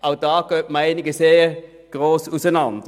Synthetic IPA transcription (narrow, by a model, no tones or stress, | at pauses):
ɑʊd̪ɑːkœmæɪnɪɡəseː | ɡ̥ɾoːsusənɑnd̪